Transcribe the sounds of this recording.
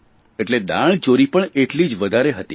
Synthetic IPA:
eʈled̪a̰ɭt͡ʃoɾipəɳeʈlid͡ʒʋəd̪ʱaɾeɦət̪i

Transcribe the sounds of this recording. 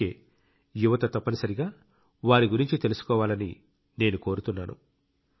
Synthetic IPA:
ḛː | juʋɐt̪ɐt̪ɐpːɐnisɐɾiɡaː | ʋaːɾiɡuɾiɲt͡ʃit̪e̞lusu̥kɔːʋaːlɐni | ne̞ːnuko̞ːɾut̪unːaːnṵ

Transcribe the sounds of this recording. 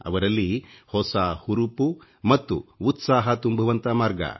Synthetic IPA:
ɐ̰ʋɐɾɐlːihɔsahuɾupu | mɐt̪ːuːt̪saːɦɐt̪umbʱɐʋɐnt̪ɐmaːɾɡɐ̰

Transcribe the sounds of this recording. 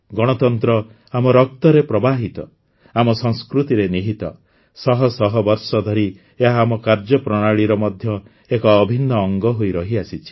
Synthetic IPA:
ɡɔɽ̃ɔt̪ɔnt̪ɾɔ | amɔɾɔk̚t̪ɔɾepɾɔbaɦit̪ɔ | amɔsɔŋskɾut̪iɾeniɦit̪ɔ | sɔɦɔsɔɦɔbɔɾsɔd̪ʱɔɾi | eɦaːmɔkaɾd͡ʒɔpɾɔɽ̃aɭiɾɔmɔd̪ʱjɔ | ekɔːbʱinːɔːŋɡɔɦojɾɔɦiasit͡ʃʰi̥

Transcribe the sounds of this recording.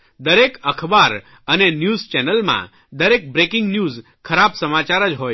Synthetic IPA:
d̪əɾekəkʰbaɾ | ənenjuzt͡ʃɛnəlmã̰ | d̪əɾek̚bɾekɪŋɡnjuz | kʰəɾabsəmat͡ʃaɾəd͡ʒɦoj

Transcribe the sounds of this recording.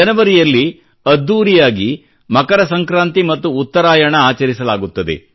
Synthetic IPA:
ɐnɐʋɐɾijɐlːi | ɐd̪ːuːɾijaːɡi | mɐkɐɾɐsɐŋkɾaːnt̪imɐt̪ːuːt̪ːɐɾaːjɐɳɐaːt͡ʃɐɾisɐlaːɡut̪ːɐd̪e̞̰

